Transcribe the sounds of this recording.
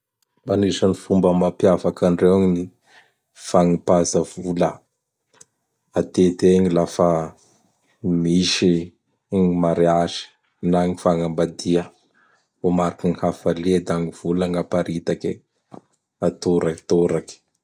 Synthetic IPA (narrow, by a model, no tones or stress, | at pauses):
manisənifumbəmapjafakaɳrewaɲini | faŋipazəvulə | at̪et̪eɲilafa | miʃi | ɲmaɾeazi̥ | naŋifaŋəmbad̪iə | vomaɾakinihafalied̪aŋiv̥uləŋapaɾit̪aki | at̪oɾat̪oɾaki̥